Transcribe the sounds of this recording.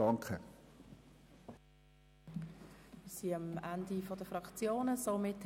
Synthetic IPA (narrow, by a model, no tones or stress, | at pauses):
ɑŋkχə | ɪsiɑmandifɔdəfʁɑkt͡sjoːnəsomɪt